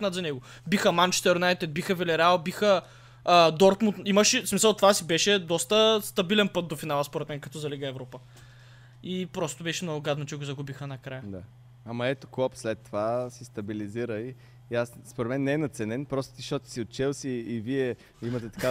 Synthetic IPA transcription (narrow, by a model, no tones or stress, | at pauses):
nad̪zɐnɛɡo | bixəmant͡ʃɛ̥t̪ɛɾjunajt̪ɛt̪̚bixəvɛlɛɾɛalˠbixəː | d̪ɔɾt̪munt̪iməʃɛsmisəlˠt̪ovasibɛʃɛd̪ɔst̪əst̪ɐbilɛnpɤt̪̚d̪ofinalˠəspoɾɛt̪mɛnkɐt̪ɔzɐliɡəɛvɾɔpə | ipɾɔst̪obɛʃɛmnɔɡʊɡad̪not͡ʃɛɡozɐɡubixənɐkɾajəd̪a | amɐɛt̪o̥klˠɔpslɛt̪ːovasist̪ɐbiliziɾəi | asspoɾɛt̪mɛnːɛɛnɐt̪sɛnɛnpɾɔst̪ot̪iʃt̪ɔt̪i̥siot̪̚t͡ʃɛlˠsiːviɛ | imət̪ɛt̪ɐ̥ka